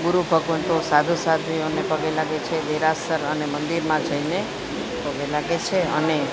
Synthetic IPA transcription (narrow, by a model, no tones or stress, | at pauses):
ɡuɾupəkuɳt̪osad̪ʱusad̪ʱionepəɡelaɡet͡ʃʰed̪eɾasəɾənemənd̪iɾmãd͡ʒəine | pəɡelaɡet͡ʃʰeəne